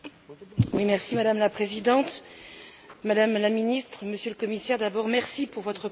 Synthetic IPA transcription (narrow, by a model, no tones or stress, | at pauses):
wimɛʁsimad̪amlapχezid̪ɑ̃t̪ | mad̪amlaminist̪χəməsjələkɔmisɛʁd̪abɔʁmɛʁsipuʁvɔt̪χə